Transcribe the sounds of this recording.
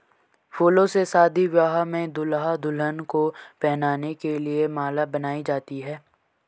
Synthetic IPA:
fʰuːlõsesaːd̪ʱiʋjaɦamẽd̪ʊlɦad̪ʊlənkopɛːnaːnekeliemaːlabɐnaːid͡ʒaːt̪iɦɛː

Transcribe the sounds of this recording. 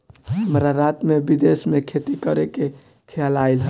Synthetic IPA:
ɦəmɾaɾat̪mẽbid̪esmẽkʰet̪ikəɾeke | kʰjalailɦə

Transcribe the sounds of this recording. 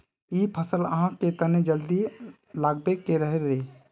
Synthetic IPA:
iːpʰəsəlãːket̪əned͡ʒəld̪i | laːɡ̚bekeɾəɦeɾeː

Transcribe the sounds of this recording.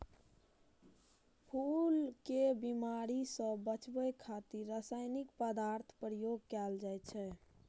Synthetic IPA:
pʰulkebimaɾisə̃bət͡ʃbəjkʰat̪iɾːasajnikpəd̪aɾt̪ʰpɾəjoɡ̚kɛld͡ʒaj̪t͡ʃʰɛ

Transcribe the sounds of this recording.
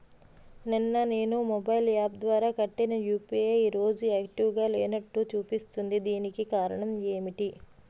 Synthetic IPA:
ninːɐne̞ːnumɔbɐjlaːb̚d̪ʋaːɾaːkɐʈːinɐjuːpieːiːɾo̞ːd͡ʒuaːkʈiwɡaːleːnɐʈːut͡ʃuːpist̪und̪id̪iːnikikaːɾɐɳɐme̞ːmiʈi

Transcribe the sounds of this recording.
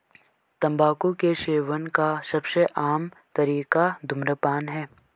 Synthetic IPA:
t̪ɐ̃mbaːkõkeʃeːʋənkasɐbʃeʔaːmt̪ɐɾiːkad̪ʱʊmɾəpaːnɦɛː

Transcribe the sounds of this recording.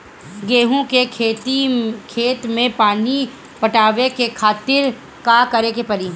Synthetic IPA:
ɡeːɦõkekʰeːt̪ikʰeːt̪mẽpaːni | pɐʈaːʋekekʰaːt̪ɪɾ | kakɐɾekepɐɾi

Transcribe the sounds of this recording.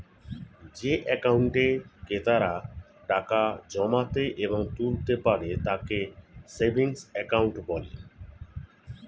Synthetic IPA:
d͡ʒeʔɛkauɳʈeket̪aɾa | ʈakad͡ʒɔmat̪eʔebɔŋt̪uɾt̪epaɾet̪akesebʱiŋsɛkawɳʈbɔlḭ

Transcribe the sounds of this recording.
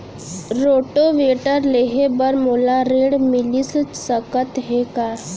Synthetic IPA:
ɾoːʈoʋeːʈəɾleːɦebəɾmoːlaɾeːɽmɪlisət͡ʃsəkət̪ɦekaː

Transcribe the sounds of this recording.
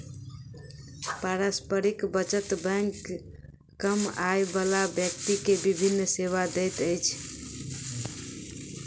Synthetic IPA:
paɾaspəɾikbət͡ʃət̪bəŋk | kəmaebalabjəkt̪ikebibʱinːseβad̪ɛjt̪əjt͡ʃʰ

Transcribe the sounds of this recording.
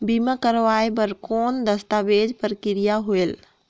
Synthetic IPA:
bimakəɾʋaːebəɾkoːnd̪ɐst̪abeːd͡ʒpəɾkɪɾijaɦoeːl

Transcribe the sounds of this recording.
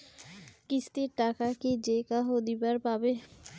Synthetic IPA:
kist̪iʈakakid͡ʑekaɦod̪ibaɾpabe

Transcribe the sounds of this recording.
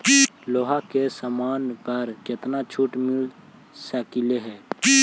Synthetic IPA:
loːɦakesamaːnpəɾd͡ʒɪt̪nat͡ʃʰuːʈmɪl | səkileɦɛː

